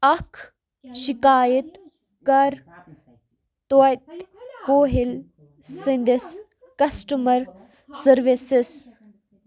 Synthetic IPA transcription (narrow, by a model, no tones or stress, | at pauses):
ɐkʰ | ʃikaːjət̪ | kɐɾ | t̪ojt̪koːɦil | sind̪is | kɐsʈumɐɾ | sɐɾʋisis